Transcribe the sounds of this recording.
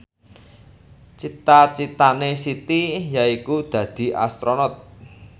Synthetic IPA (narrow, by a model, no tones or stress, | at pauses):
t͡ʃit̪at͡ʃit̪anesit̪ijaikud̪̥ä̤d̪̥i̤a̰st̪ɾonɔt̪̚